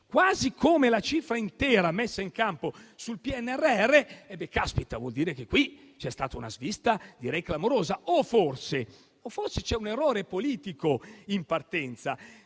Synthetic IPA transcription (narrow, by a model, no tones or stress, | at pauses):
kwaːzikʰoːmelat͡ʃiːfɾaint̪ɛːɾamesːaiŋkamposulpiɛnːɛrːeɛrːeɛbːekːaspit̪avwɔ̰ld̪iːɾek̟ekːwi | t͡ʃɛst̪a̰ːt̪auna̰zvist̪ad̪iɾɛjklamoɾoːzaoforse | oforset͡ʃɛuneroːɾepoliːt̪ikoimpart̪ɛnt̪sa̰